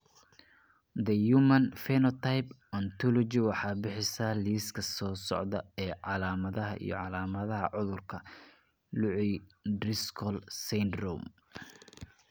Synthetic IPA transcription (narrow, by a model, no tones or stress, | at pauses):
d̪ɐjumɐnfɛnɔt̪ʰajp | ɔnt̪ʰɔlɔt͡ʃɪwɑħɑːbɪħɪsaːliːskʰɐsɔːsɔ̰ʕd̪ɐɛːʕɑlaːmɐðɐɦɐ̰ʔḭjɔ̰ʕɑlaːmɐðɐɦɐʕʊðʊrkʰɐ | lʊʕɪjdrɪskʰɔlsɛnd̪rɔm